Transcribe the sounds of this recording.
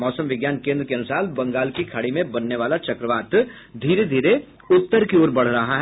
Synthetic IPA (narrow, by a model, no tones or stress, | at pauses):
mɔːsə̃mʋɪɡjaːnkẽːnd̪ɾəkeɐnʊsaːlbɐ̃ŋɡaːlkikʰaɽimẽbɐnːeʋaːlat͡ʃɐkɾəʋaːt̪ | d̪ʱiːɾed̪ʱiːɾe | ʊt̪ːəɾkioːɾbɐɽ̤ɾɐɦaɦ